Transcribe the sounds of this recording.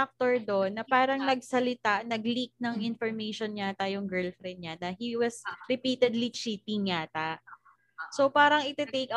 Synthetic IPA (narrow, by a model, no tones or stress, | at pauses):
ak̚t̪oɹd̪onːɐpaːɾɐŋnɐɡ̚sɐlɪt̪aʔnɐɡlik̚nɐŋɪnfoɹmejʃonɲat̪ajʊŋɡɛɹlfɾɛnd̪̚ɲanɐhiwɐsɾɪpiːt̪ɛd̪lit͡ʃiːt̪ɪŋːat̪aʔ | sopaːɾɐŋɪt̪ɛt̪ejk